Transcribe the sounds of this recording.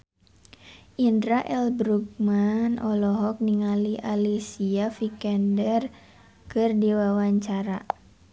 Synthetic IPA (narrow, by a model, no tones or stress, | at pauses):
ʔindɾaʔɛlbɾuk̚manʔɔlɔɦɔk̚niŋaliʔalisiafikɛndɛr | kɨrdiwawaɲt͡ʃaɾa